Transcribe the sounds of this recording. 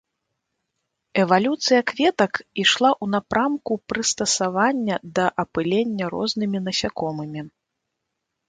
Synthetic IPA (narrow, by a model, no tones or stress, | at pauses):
ɛvalʲut̪sɨjɐkvʲɛt̪ɐkiʂlˠaʔunapɾamkupɾɨst̪ɐsavanʲːɐd̪ɐʔɐpɨlʲɛnʲːɐɾɔ̰znɨmʲinɐsʲakɔmɨmʲi